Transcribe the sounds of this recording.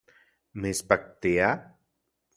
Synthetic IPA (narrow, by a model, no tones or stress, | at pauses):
mespak̚t̪ea